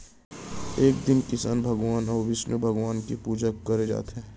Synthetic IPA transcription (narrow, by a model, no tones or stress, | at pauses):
eːk̚d̪ɪnkɪsaːnbʱɐɡʋaːnɔːɾʋɪʃnubʱɐɡʋaːnkipuːd͡ʒəkːɐɾed͡ʒa̰ːt̪ɦɛ̃